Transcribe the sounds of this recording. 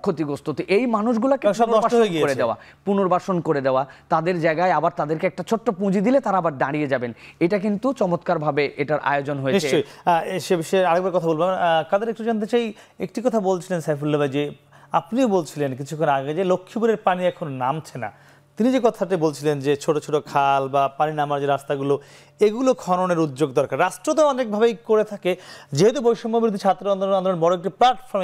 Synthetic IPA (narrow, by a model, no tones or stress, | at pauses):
kʰot̪iɡost̪ot̪eʔejmanuʃ̬ɡulakeonɔʃbaoɦoeɡikoɾed̪eoa̰ | punoɾbaʃonkoɾed̪eoat̪ad̪eɾd͡ʑaeɡaeabaɾt̪ad̪eɾkeɛk̚ʈat͡ɕʰoʈːopũd͡ʑid̪ilet̪aɾaabaɾɖaɽied͡ʑabeneʈak̬int̪ut͡ɕɔmot̪kaɾbʱabeʔeʈaɾʔa̰eod͡ʑonɦojeniʃeojʃebiʃɔeaɾeɡ̚baɾekɔt̪ʰabolbeamk̪ad̪eɾekʈud͡ʑant̪̬et͡ɕaj | ḛk̚ʈikɔt̪ʰabolt͡ɕʰilensajfulːobad͡ʑe | apniobolt͡ɕʰilenk̬it͡ɕʰukʰːonaɡed͡ʑelokʰːiboɾeɾpaniɛkʰononamt͡ɕʰena̰ | t̪inid͡ʑekɔt̪ʰaʈibolt͡ɕʰilend͡ʑet͡ɕʰoʈot͡ɕʰoʈokʰalbapaninamaɾd͡ʑeɾast̪aɡulo | eɡulokʰɔnoneɾud̪d͡ʑoɡ̚d̪ɔɾkaɾːasʈ̪ɾot̪̬oɔnek̚bʱabejkoɾet̪ʰaked͡ʑeɦɛt̪̬ubojʃɔmbobiɾod̪ʱit͡ɕʰat̪ːɾoand̪oloand̪olonenbɔɾoek̚ʈiplaʈfʰɔɾm